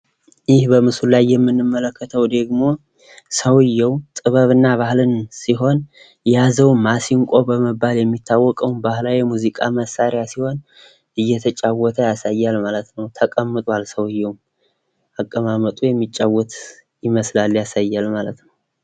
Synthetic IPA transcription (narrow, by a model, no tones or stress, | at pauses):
jɪhbəmɨsullajːɛmːɨnːɨmːələkʰːət̪ʰəwd̪əɡmo̞ | səwɨjːɛwt̪ʼɨβəβɨnːaβahlɨnsiɦo̞n | jazəwmasiŋkʷʼo̞bəməbaljɛmːit̪ʰːawːɔkʼəwnbahlawɛmuzikʼaməsaɾjasiho̞n | ʔɨjːɛt̪ʰət͡ʃʼawːɔt̪ʰəjasajːalmalət̪nəwt̪ʰəkʼəmːɨt̪ʼalsəwɨjːɛwm | ʔakʼːəmamət̪ʼujɛmːit͡ʃʼːawːɔt̪ | jɪməslaljasajːalmalət̪nəw